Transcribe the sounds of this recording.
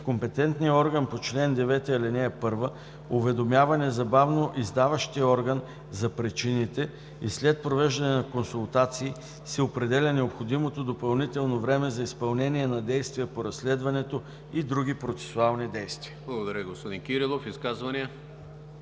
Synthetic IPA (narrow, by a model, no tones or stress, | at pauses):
kompɛt̪ɛnt̪nijəɔɾɡənpot͡ʃlɛnd̪ɛvɛt̪ɛɐlɛnɛɛpɤɾvə | ʊvɛd̪omjavɐnɛzɐbavnoʔizd̪avəʃt̪iəɔɾɡən | zɐpɾit͡ʃinit̪ɛ | islɛt̪̚pɾovɛʒd̪ɐnɛnɐkonsulˠt̪at̪siː | sɛopɾɛd̪ɛlʲənɛopxod̪imot̪od̪opɐlˠnit̪ɛlˠnovɾɛmɛzɐispɐlˠnɛniɛnɐd̪ɛjst̪viəpoɾɐslɛd̪vɐnɛt̪o | id̪ɾuɡ̟ipɾot̪sɛ̥sʊalˠnid̪ɛjst̪viəblˠɐɡod̪ɐɾʲəɡospod̪inkʲiɾilˠofiskazvɐniə